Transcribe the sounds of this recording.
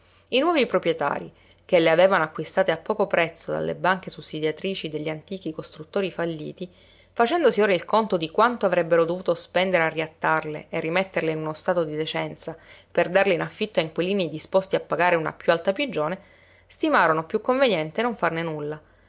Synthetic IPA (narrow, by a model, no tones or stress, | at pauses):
inwɔːvipɾopɾjet̪a̰ːɾi | keleaveːvanoakːwist̪aːt̪eapːɔːkopɾɛt̪sːod̪a̰lːḛbaŋk̟esusːid̪jat̪ɾiːt͡ʃid̪eʎːiant̪iːk̟ikost̪ɾut̪ːoːɾifalːḭːt̪i | fat͡ʃɛnd̪osioːɾailkont̪od̪ikwant̪oavɾɛbːeɾod̪ovuːt̪ospɛnd̪eɾearːiat̪ːarlḛerːimet̪ːeɾleinunost̪aːt̪od̪id̪et͡ʃɛnt̪saperd̪arleinafːit̪ːaiŋkwiliːnid̪ispost̪iapːaɡaːɾeuna̰pjualt̪apid͡ʒoːne | st̪imaːɾonopjukːoɱvenjɛnt̪enoɱfarnenulːa